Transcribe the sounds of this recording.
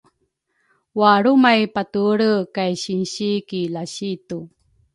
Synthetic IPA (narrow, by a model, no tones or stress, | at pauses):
waɾumajpatuɭəkajɕinɕikilaɕitu